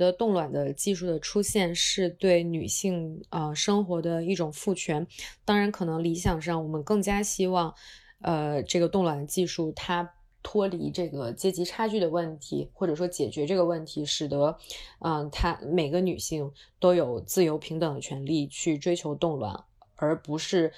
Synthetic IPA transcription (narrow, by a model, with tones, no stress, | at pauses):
d̪ə˧t̪ʊ˥˩ŋlwa˨˩nd̪ə˦t͡ɕi˥˧ʂu˥˩d̪ə˩ʈ͡ʂʰu˥ɕjɛ˥˧nʂɻ̩˥˧t̪we˥˩ɪny˨˩ɕi˥˩˧ŋə˧ʂɤ˥ŋxwɔ˧˥d̪ə˧i˥˩ʈ͡ʂʊ˨˩ŋfu˥˩t͡ɕʰɥɛ˧˥nt̪ɑ˥ŋɻa˧˥nkʰɤ˨˩nɤ˧˥ŋli˧˥ɕjɑ˨˩ŋʂɑ˥˩ŋwɔ˨˩mə˦nkɤ˥˩ŋt͡ɕja˥ɕi˥wɑ˥˧ŋ | ə˧ʈ͡ʂɤ˥˩ɡə˩t̪ʊ˥˩ŋlwa˨˩nt͡ɕi˥˧ʂu˥˩t̪ʰa˥ | t̪ʰwɔ˥li˧˥ʈ͡ʂɤ˥˩ɡə˩t͡ɕjɛ˥t͡ɕi˧˥ʈ͡ʂʰa˥t͡ɕy˥˩d̪ə˩wə˥˩nt̪ʰḭ˧˥xwɔ˥˩ʈ͡ʂɤ˨˩ʂwɔ˥t͡ɕjɛ˨˩t͡ɕɥɛ˧˥ʈ͡ʂɤ˥˩ɡə˩wə˥˩nt̪ʰi˧˥ʂɻ̩˨˩t̪ə˧˥ə˧t̪ʰa˥me˨˩ɪɡə˦ny˨˩ɕi˥˩ŋt̪o˥ʊjo˨˩ʊt͡sɹ̩˥˩jo˧˥ʊpʰi˧˥ŋt̪ɤ˨˩ŋd̪ə˦t͡ɕʰɥɛ˧˥nli˥˧t͡ɕʰy˥˩ʈ͡ʂwe˥ɪt͡ɕʰjo˧˥ʊt̪ʊ˥˧ŋlwa̰˨˩˦n | ə˞˧˥pu˧˥ʂɻ̩˥˩